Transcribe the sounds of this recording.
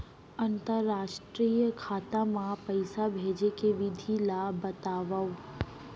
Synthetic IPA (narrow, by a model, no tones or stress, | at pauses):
ɐ̃nt̪əɾːaːʃʈɾiːjəkʰaːt̪ãmãpɐɪsabʱeːd͡ʑekeʋɪd̪ʱilabɐt̪aːʋau